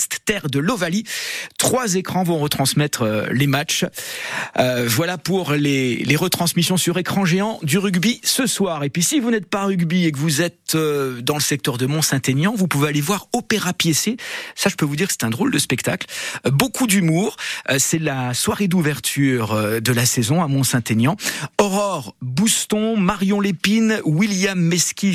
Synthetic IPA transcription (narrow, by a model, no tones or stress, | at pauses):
st̪t̪ɛʁd̪əlɔvalit̪χwazekχɑ̃vɔ̃ʁət̪χɑ̃smɛt̪χəlemat͡ʃ | øvwalapuʁleleʁət̪χɑ̃smisjɔ̃syʁekχɑ̃ʒeɑ̃d̪yʁyɡbisəswaʁepɥisivunɛt̪̚paʁyɡbiek̬əvuzɛt̪ød̪ɑ̃ləsɛk̚t̪œʁd̪əmɔ̃sɛ̃t̪enjɑ̃vupuvealevwaʁɔpeʁapjesesaʒəpøvud̪iʁksɛ̥t̪ɛ̃d̪ʁold̪əspɛkt̪aklbokʰud̪ymuːʁsɛlaswaʁed̪uvɛʁt̪ʰyʁød̪əlasezɔ̃amɔ̃sɛ̃t̪enjɑ̃ɔʁɔʁbust̪ɔ̃maʁjɔ̃lepinwiljamːɛskʲi